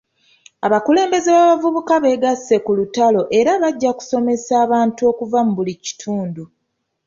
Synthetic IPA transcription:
aβakule̞ːmbe̞zeβaβavuβukaβe̞ːɡase̞kulutalo̞ʔe̞ɾaβaɟːaku̥so̞me̞saːβaːntuo̞ːkuvamuβulici̥tʰuːndu

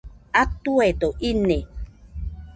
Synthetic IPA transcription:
at̪uet̪oʔine

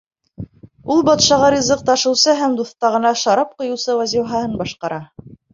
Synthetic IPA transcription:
ulˠbɑt̪ʃɑʁɑɾʲizɤq̚t̪ɑʃɤ̆wsɤɦæmd̪uθt̪ɑʁɤ̆nɑʃɑɾɑp̚qŏjɤ̆wsɤwæzʲiwɦɑhɤnbɑʃqɑɾɑ

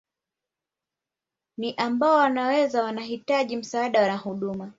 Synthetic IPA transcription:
niʔambaɔwanawɛzawanaɦitaʄim̩saːɗawanaɦuɗuma

